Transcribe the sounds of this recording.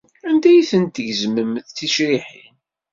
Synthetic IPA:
and̪æjθənt̪ʝzməmθθiʃɾiħin

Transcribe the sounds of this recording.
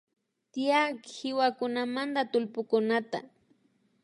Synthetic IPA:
t̪ɪjakhɪwakʊnamand̪at̪ʊlpʊkʊnat̪a̰

